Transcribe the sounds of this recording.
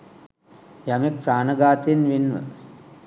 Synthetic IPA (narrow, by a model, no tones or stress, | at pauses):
jamek̚praːnəɡaːt̪ienʋinʋə̰